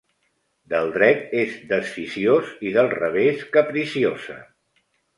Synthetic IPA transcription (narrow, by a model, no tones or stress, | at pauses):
d̪əlˠd̪ɾɛt̪ezd̪əsfisioziðəlˠrəβ̞eskəpɾisiozə̰